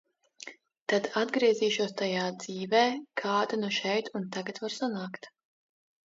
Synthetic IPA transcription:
t̪ad̪ad̪ɡɾiɛziːʃuɔst̪ajaːd̪z̥iːvɛːkʰaːd̪anuʃɛjt̪unt̪aɡat̪vaɾsanaːkt̪

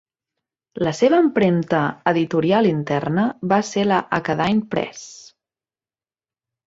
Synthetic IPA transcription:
ləseβəːmpɾemt̪əəðit̪uɾialint̪ɛrnəβaseləʔəkəðajpɾɛ̰s

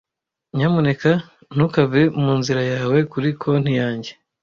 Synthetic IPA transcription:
ɲamune̞ka | n̥ukavemuːnziɾajaːwe̞kuɾikʰo̞n̥hijaːɲɟe̞

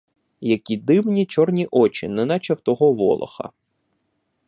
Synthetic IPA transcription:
jɐkʲid̪ɪwnʲit͡ʃɔrnʲiʔɔt͡ʃinɛnɑt͡ʃɐwt̪ɔɦɔʋɔ̰lˠɐ̰xɐ̰

